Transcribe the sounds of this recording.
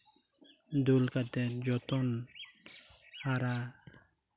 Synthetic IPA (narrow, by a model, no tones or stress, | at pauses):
d̪ulkat̪ɛt̪̚d͡ʒɔt̪ɔn | haɾa